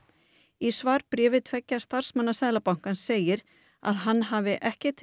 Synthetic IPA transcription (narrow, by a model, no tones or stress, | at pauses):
isvaːɾpɾɪːvɪðt̪ʰvɛcːḁst̪ar̥smanːasɛðlapawŋ̥kanseːjɪɾ | a̰ðɦanːɦaːvɪʔɛhcɪt̪ʰ